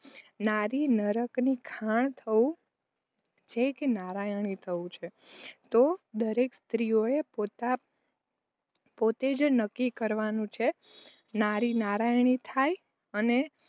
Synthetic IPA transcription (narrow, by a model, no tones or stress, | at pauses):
naɾinəɾəknikʰaɳ̃t̪ʰəũ | d͡ʒekenaɾajɳ̃it̪ʰəũt͡ʃʰet̪od̪əɾekst̪ɾijoepot̪a | pot̪ed͡ʒnəkːikəɾʋanũt͡ʃʰe | naɾinaɾajɳ̃it̪ʰaj | əne